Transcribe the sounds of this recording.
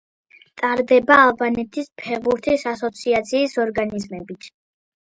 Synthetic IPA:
t̪ʼaɾd̪ɛbaːlˠbanɛt̪ʰispʰɛʁbuɾt̪ʰisasɔt̪sʰiat̪sʰiːsɔɾɡanizmɛbit̪ʰ

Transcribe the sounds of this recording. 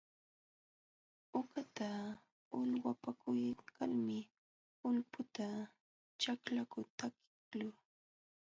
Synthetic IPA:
ʊkat̪a | ʊʎwapakʰʊjkʰaɾmɪ | ʊlpʊt̪a | t͡ʃaklakʊt̪akɪklʊ

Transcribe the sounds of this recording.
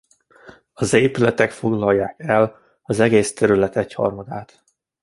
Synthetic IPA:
ɒzeːpylɛt̪ɛkfo̞ɡlɒjːaːkɛl | ɒzɛɡeːst̪ɛɾylɛt̪ɛchɒ̰rmɒd̪aːt̪

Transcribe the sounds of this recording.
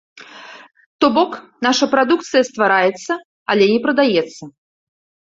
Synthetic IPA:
t̪ɔbɔknaʂɐpɾad̪uk̚t̪sɨjɐst̪vaɾajɛt̪sːɐ | alʲɛnʲɛpɾɐd̪ajɛt̪sːɐ

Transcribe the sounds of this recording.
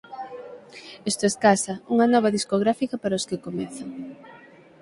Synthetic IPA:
est̪oeskasɐuŋɐnɔβ̞ɐðiskoɣ̞ɾafikɐpaɾaoskɪkomɛθaŋ

